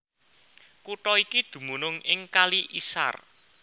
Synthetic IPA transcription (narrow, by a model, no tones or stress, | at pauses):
kuʈɔikid̪̥ṳmunʊŋɪŋkaliʔisa̰r